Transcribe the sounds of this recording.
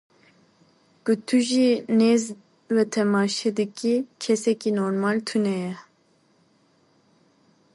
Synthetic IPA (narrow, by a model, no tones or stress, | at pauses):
kut̪ʰuʒinez | wɛt̪ʰɛmɑːʃɛd̪ɨkikʰɛsɛkinoɾmɑːlt̪ʰunɛjɛ